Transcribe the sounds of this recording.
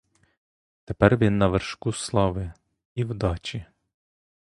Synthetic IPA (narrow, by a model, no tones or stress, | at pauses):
t̪epɛrʋʲinːɐʋerʃkuslˠɑʋɪ | iwd̪ɑt͡ʃi